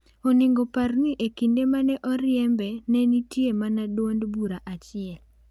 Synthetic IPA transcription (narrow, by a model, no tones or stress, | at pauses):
onɪŋɡoparniʔekindemanɛʔɔɾɪɛmbɛnɛnitjemanadwondbuɾaʔat͡ʃɪɛl